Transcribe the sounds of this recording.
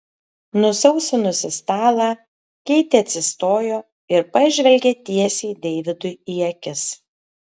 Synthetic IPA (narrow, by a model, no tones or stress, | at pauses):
nʊsɐʊsʲʊnʊsʲɪst̪ɑːlˠɑː | kʲɛɪt̪ʲeːɐt̪ʲsʲɪst̪oːjoː | ɪɾpɐʒʲʋʲɛlʲɡʲeːt̪ʲiɛsʲiːd̪ʲɛːʋʲɪd̪ʊjiɛkʲɪs